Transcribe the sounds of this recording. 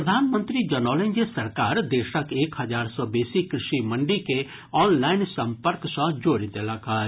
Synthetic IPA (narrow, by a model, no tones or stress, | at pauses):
d̪ʱaːnmə̃nt̪ɾid͡ʒɐnɔːlẽnd͡ʒesɐɾkaːɾd̪eːʃəkeːkhɐd͡ʒaːɾsɔbɛːsikɾɪʃimɐ̃ɳɖike | ɔːnlaːɪnsɐ̃mpəɾksɔ̃d͡ʒoːɾid̪elaːkaː